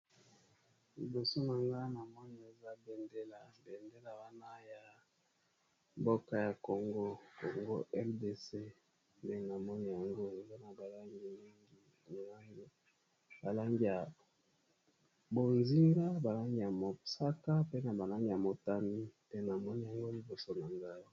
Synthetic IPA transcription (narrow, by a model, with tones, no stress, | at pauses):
li˨bo˨so˦na˨ŋɡa˦na˨mɔ˦ni˦e˨za˦be˨nde˦la˨be˨nde˦la˨wa˦na˦ja˨ | mbo˦ka˦ja˨ko˨ŋɡo˦ko˨ŋɡo̰˦ʔɛ˦lde˦se˦ | mbe˦ŋ˨a˨mɔ˦ni˨ja˨ŋɡo˦e˨za˦na˨ba˨la˦ŋɡi˨mi˦ŋɡi˨ | na˨la˦ŋɡi˦ | ba˨la˦ŋɡi˨ja˨ | bo˨nzi˦ŋɡa˦ba˨la˦ŋɡi˨ja˨mo˨sa˦ka˦pe˦na˨ba˨la˦ŋɡi˨ja˨mo˨ta˦mi˦pe˦na˨mɔ˦ni˨ja˨ŋɡo˦li˨bo˨so˦na˨ŋɡa˦